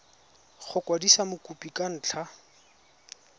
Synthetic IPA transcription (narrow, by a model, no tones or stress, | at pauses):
χʊkwadisamʊkʼupʼikʼan̩ːt͡ɬʰa